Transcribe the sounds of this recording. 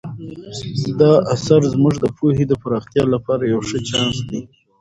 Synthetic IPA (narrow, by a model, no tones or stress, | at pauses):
d̪ɑʔasaɾzmʊʐd̪əpʰuhed̪əpaɾɑxt̪jɑlapɑɾajawʂət͡ʃɑnsd̪i